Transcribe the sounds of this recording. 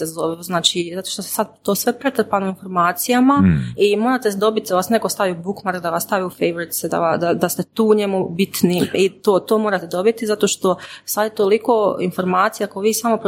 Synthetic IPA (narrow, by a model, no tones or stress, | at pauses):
ezoʋɛoznaːt͡ʃizat̪oʃt̪ossad̪t̪oːsʋe̞pɾet̪r̩panoinfo̞ɾmaːt̪sijamaimoɾat̪esd̪o̞bit̪d̪aʋasnekost̪aʋiubukmaɾk̚d̪aʋast̪aʋiufejʋoɾet̪sed̪a̰ad̪ad̪ast̪et̪uːɲemubit̪niit̪oːt̪oːmoɾat̪ed̪o̞bit̪izat̪o̞ʃt̪o̞sad̪et̪olikoinfo̞ɾmaːt̪sijakoʋiːsamo̞pɾ